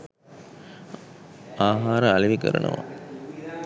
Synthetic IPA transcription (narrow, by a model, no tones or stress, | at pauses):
aːɦaːɾəaliʋikəɾə̰nʔṵʋa̰